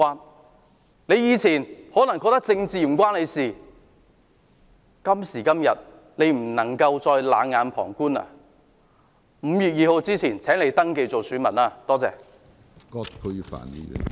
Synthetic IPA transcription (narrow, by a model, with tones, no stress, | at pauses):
waː˨˧ | ne˨˧jiː˨˧t͡sʰiː˨˩nhɔː˨˥nɐ˨˩ŋkɔː˧k̚t̪ɐ˥k̚t͡sɪ˧ŋt͡siː˨m̩˨˩k̬ʷwaː˥nle˨˧jsiː˨ | kɐ˥msiː˨˩kɐ˥mjɐ˨t̚ | ne˨˧jm̩˨˩nɐ˨˩ŋkɐ˧wt͡sɔː˧jla̰ː˨˧ŋŋaː˨˧npʰɔ̰ː˨˩ŋkuː˥nɐ̰˧ | m̩˨˧jyː˨t̚jiː˨˧ho˧wt͡siː˥t͡sʰiː˨˩nt͡sʰɛː˨˥ŋle˨˧jt̪ɐ˥ŋke˧jt͡so˨wsyː˨˥nmɐ˨naː˧t̪ɔː˥t͡sɛ̰ː˨˧ | kɔː˥t̚kʰʊ˨˥jfa̰ː˨˩nḭː˥jy̰˨˩